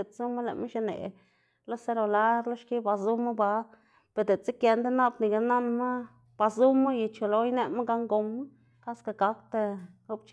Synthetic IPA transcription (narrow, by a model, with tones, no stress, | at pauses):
e˨t̪t͡su˦ma˦la̰˨ma˦ʃa˧nḛ˨ | lo˦se˦ɾo˨la˦ɾlo˦ʃki˦ba˨zu˦ma˦ba˧˦ | pe˨d̪e˨t͡si˦kje˧nd̪e˦na˦bni˨ɡa˧na˦nma˦ | b̥a˧zu˦ma˦je˨t͡ʃo˨lo˧˦jne˦ma˦ɡa˧ŋɡo˧mːa˦ | ka˦ska˨ɡa˦k̚t̪a˧o˦bt͡ʃ